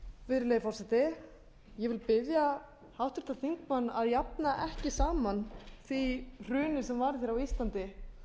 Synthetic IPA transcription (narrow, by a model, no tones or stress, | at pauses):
vɪðɾɪlejɪfɔrsɛt̪ɪ | jɛvɪlpɪðja | hawht̪ɪ̥ɾ̥t̪aθiŋkmanːaðjap̚naʔɛhcɪsaːmanθir̥ʏːnɪsɛmvaɾθjɛɾawist̪lant̪ɪ